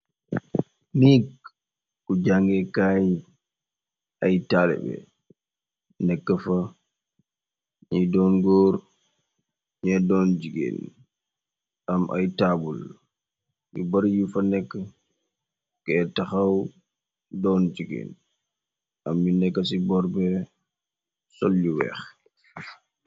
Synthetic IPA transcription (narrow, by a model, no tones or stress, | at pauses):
mik | kːɔd͡ʒaŋɡɛkaj | ʔajtalɛ̰bɛ̰ | nɛkːafa | ɲɛdɔnɡɔɾ | ɲɛdɔnd͡ʒiɡɛ̰n | ʔamʔa̰jtabul | ʔḭbaɾjifanɛkːa | kɛɛtaxaw | dɔnd͡ʒiɡɛ̰n | ʔamːinɛkːasibɔɾbɛ | solːiwɛ̰x